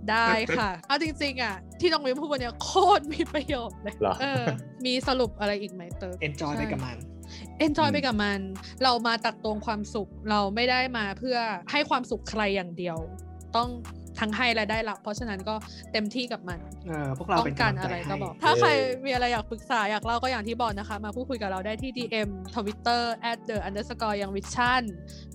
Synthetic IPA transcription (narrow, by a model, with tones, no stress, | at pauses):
daː˥˩jkʰa˥˩ʔa˦˥˩t͡ɕi˧ŋt͡ɕi˧ŋʔa˨˩ | t̪ʰiː˥˩nɔ˧ŋmi˧˥pʰu˥˩kʰo˧nːi˦˥˩kʰoː˥˩n̚miː˧pɾa˧joː˨˩t̪̚lɤː˧jʔɤː˧ | miː˧sa˧ɾu˨˩p̚ʔa˧ɾa˧jʔiː˨˩k̚ma˦˥jt̪ɤː˧˩e˧nt͡ɕɔː˧ja˥a˧˩kma˧n | ʔe˧nt͡ɕɔː˧jpa˧jka˨˩ma˧n | ɾa˧wmaː˧t̪a˨˩k̚t̪oː˧ŋkʰwaː˧msu˨˩k̚ɾa˧wma˥˩jdaː˥˩jmaː˧pʰɯ˥˩ɐha˥˩jkʰwaː˧msu˨˩kʰːɾa˧jːaː˨˩ŋdi˧əw | t̪ɔ˥˩ŋ | t̪ʰa˦˥ŋɦa˥˩jɾaː˧jdaː˥˩jla˧˥pʰːɔ˦˥t͡ɕʰa˧na˦˥nkɔː˥˩ | t̪e˧mt̪ʰiː˥˩ka˨˩p̚ma˧n | ʔɤː˧u˥˩ək̚a˧ɔ˥˩ŋkaː˨˧nʔa˧ɾa˧ja˧bɔː˨˩t̪ʰaː˥˩kʰɾa˧jmiː˧ʔa˧ɾa˧jːaː˨˩k̚pɯ˨˩k̚saː˩˦jaː˨˩k̚la˥˩wkɔ˥˩jaː˨˩ŋt̪ʰiː˥˩bɔː˨˩k̚na˦˥kʰa˦˥maː˧pʰuː˥˩kʰu˧jka˨˩ɾa˧wdaː˥˩jt̪ʰiː˥˩diː˧ʔe˧mt̪ʰo˧wi˦˥t̪ːɤː˥˩ʔɛː˦˥t̪̚dɤː˨˩ʔa˧nd̪ɤː˧˦˥sa˧kɔː˧ja˨˩ŋwi˦˥t̪̚t͡ɕʰa˥˩n